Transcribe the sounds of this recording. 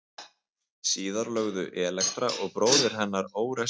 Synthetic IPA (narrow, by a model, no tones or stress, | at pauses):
siːðaɾlœɣðʏ̰ʔɛːlɛkt̪ɾaʔɔɣpɾoːwðɪɾ̥ɦɛnːaɾoːwɾɛ